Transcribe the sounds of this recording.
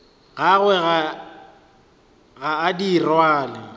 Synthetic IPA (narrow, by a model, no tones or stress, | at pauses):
ɣaɣwɛɣa | ɣaːdirwaːlɪ̰